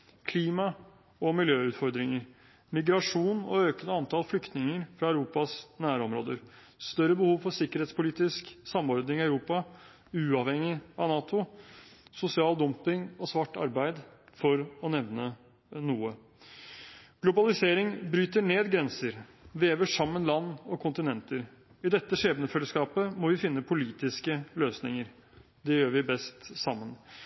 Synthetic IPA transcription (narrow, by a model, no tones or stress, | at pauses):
kʰliːmɑ | ɔmɪljøːʉːt̪fɔɾd̪ɾɪŋəɾ | mɪɡɾɑʂuːnɔøːkənəɑnt̪ʰɑːlflʏkt̪nɪŋəɾfɾɑæʉɾuːpɑsnæːɾɔmɾoːd̪əɾ | st̪œɾəbəhuːʋfɔsɪkːəɾheːt̪spʊliːt̪ɪsksɑmɔɾd̪nɪŋɪæʉɾuːpɑ | ʉːɑʋhɛŋːɪɑʋnɑːt̪ʊ | sʊsɪɑːld̪ɔmpɪŋɔsʋɑʈːɑ̰ɾbæɪd̪fɔɾɔnɛʋnə | nuːə | ɡ̥lʊbɑlɪseːɾɪŋbɾyːt̪əɳeːd̪ɡɾɛnsəɾʋeːʋəʂɑmːənlɑnːɔkʰʊnt̪ɪnɛnt̪əɾ | ɪd̪ɛt̪ːəʂeːbənəfɛlːəskɑːpəmɔʋɪfɪnːəpʰʊliːt̪ɪskəløːsnɪŋəɾ | d̪ɛjøːɾʋɪbɛst̪sɑmːən